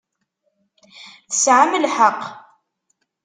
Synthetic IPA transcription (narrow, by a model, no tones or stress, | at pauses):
θə̥sʕaməlħəqː